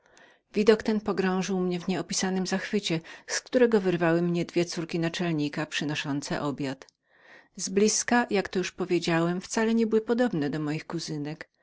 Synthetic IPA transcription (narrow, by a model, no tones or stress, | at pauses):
vʲid̪ɔkt̪ɛnpɔɡɾɔ̃w̃ʐɘwmɲɛvɲɛɔpʲisanɘmzaxfɘt͡ɕɛskt̪uɾɛɡɔvɛɾvawɘmɲɛd̪vʲjɛt̪suɾkʲinat͡ʂɛlɲikapʂɘnɔʂɔnt̪sɛ̰ʔɔbʲjat̪ | zblʲiskajakt̪ɔjuʂpɔvʲjed͡ʑawɛmft̪salɛɲɛbɘwɘpɔd̪ɔbnɛd̪ɔmɔjixkuzɘnɛk